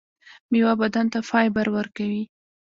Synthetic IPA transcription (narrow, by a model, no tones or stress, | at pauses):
miwabad̪ant̪afɑjbaɾwəɾkawi